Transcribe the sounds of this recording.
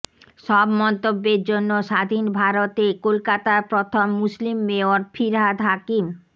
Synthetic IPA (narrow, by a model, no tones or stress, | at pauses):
ʃɔbmɔnt̪obːeɾd͡ʑonːoʃad̪ʱinbʱaɾot̪ekolkat̪apɾot̪ʰomːuslimːeoɾfʰiɾɦad̪ɦakim